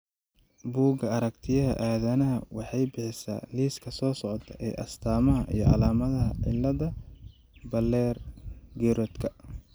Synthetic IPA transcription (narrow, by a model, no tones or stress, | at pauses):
buːɡɐɐɾɐkt̪ʰɪjɐɦɐ̰ʔaːðɐnɐɦɐwɑħɑjbɪħɪsa̰ːliːskʰɐsɔːsɔʕɔt̪ʰɐʔɛ̰ːʔɐst̪ʰaːmɐɦɐʔḭjɞɑ̰laːmɐðɐɦɐ̰ʕɪ̰lːɐðɐ | bɐlːɛːrɡɛɾɔd̪kʰɐ